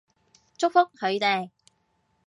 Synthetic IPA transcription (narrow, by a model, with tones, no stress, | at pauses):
t͡sʊ˥k̚fʊ˥k̚hɵ˨˧ɥt̪e˨j